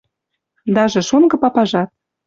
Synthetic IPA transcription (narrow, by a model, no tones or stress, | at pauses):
d̪ɑʒĕʃonɡɤ̆pɑpɑʒɑt̪̚